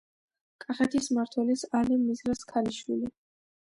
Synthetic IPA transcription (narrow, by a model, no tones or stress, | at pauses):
kʼaχɛt̪ʰismaɾt̪ʰwɛlisalimizɾaskʰaliʃwḭli